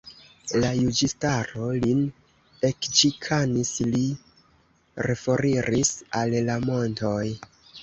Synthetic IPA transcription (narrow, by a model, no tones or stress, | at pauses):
lajud͡ʒistaɾo̞lin | e̞kd͡ʒikʰanisli | ɾefo̞ɾiɾisallamo̞nto̞j